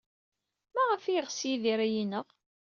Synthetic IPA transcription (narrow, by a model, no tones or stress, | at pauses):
mæʁəfiʁsjiðiɾæjinəʁ